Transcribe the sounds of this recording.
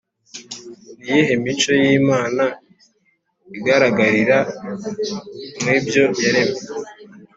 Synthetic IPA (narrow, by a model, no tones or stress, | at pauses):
nijeɦemit͡ʃo̞jiːmaːna | iɡaɾaɡaɾiɾa | mŋiːbjo̞jaɾe̞me